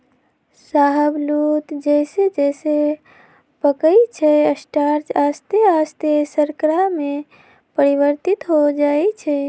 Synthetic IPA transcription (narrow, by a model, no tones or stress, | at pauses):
saɦəblut̪d͡ʒɛɪsed͡ʒɛɪse | pəkəjt͡ʃʰɛəsʈaɾd͡ʒast̪east̪esəɾkɾame | pəɾiʋəɾt̪it̪ɦod͡ʒaɛt͡ʃʰɛ